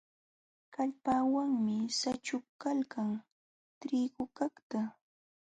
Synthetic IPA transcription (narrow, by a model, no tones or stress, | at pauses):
kaʎpaːwaŋmɪsat͡ʃʊkːalkaŋ | t̪ɾɪɢʊkakt̪a